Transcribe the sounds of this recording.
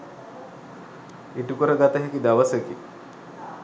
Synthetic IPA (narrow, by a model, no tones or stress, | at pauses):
iʈukəɾəɡat̪əɦɛkid̪aʋəseki